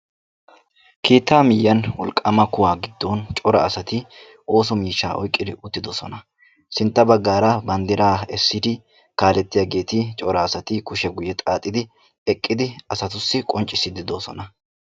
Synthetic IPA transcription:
kʰiːt̪ːaːmɪjːɐnwɔlkʼːɐmɐkʊwaːɡɪd̪ːont͡ʃʼɔɾɐ̰ɐsɐt̪ɪ | o̞ːsɔmiːʃːa̰ːʔɔ̰jkʼːɪd̪ɪʔʊt̪ːɪd̪ɔsɔnɐ | sɪnt̪ːɐbɐɡːaːɾɐbɐnd̪ɪɾaːɛsːɪd̪ɪ | kaːlɛt̪ːɪjaɡe̞ːt̪ɪt͡ʃʼɔɾɐːsɐt̪ɪkʊʃɛɡʊjɛt̪ʼaːt̪ʼːɪd̪ɪ | ɛkʼːɪd̪ɪɐsɐt̪ʊsːɪkʼɔnt͡ʃʼːɪsɪd̪ɪd̪osɔnɐ

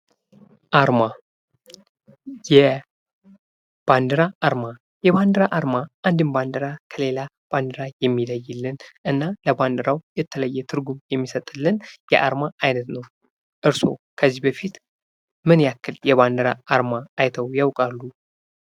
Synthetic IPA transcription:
ʔaɾma | jɛ | b̥and̪ɨɾaʔːɾma | jɛβand̪əɾaʔaɾmaʔand̪ɨnband̪əɾakʰəle̞la | b̥and̪ɨɾajɛmːiləjːɪlːɨnʔɨnːaləband̪ɨɾawjɛt̪ʰːələjːɛt̪ʰɨɾɡumjɛmːisət̪ʼɨlːɨnjɛʔa̰ɾmaajnət̪nəw | ʔɨɾso̞̰kʰəzːihbəfit̪ | mɨnjakːɨljɛβand̪əɾaaɾmaajt̪ʰəwjawkʼalːu

